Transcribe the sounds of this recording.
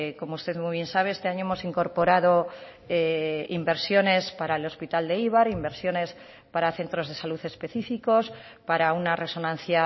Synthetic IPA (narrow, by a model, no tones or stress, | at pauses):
ko̞moust̪e̞ðmujβ̞je̞nsaβ̞e̞est̪e̞aɲoemo̞siŋko̞ɾpo̞ɾaðo̞ | eḭmbe̞ɾsjo̞ne̞spaɾaelo̞spit̪ald̪e̞iβ̞aɾimbe̞ɾsjo̞ne̞s | paɾaθe̞nt̪ɾo̞zð̞e̞saluθe̞spe̞θifiko̞s | paɾaunare̞so̞nãn̟θja